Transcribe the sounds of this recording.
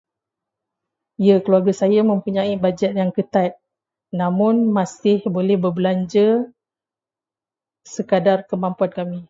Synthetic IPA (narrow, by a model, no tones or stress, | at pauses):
ijakluarɡəsajamə̃mpuɲãibad͡ʒat̪̚jaŋkət̪at̪̚ | nãmʊnmãsɪhbolɛhbərbəlaɲd͡ʒə | səkadarkəmãmpuankamĩ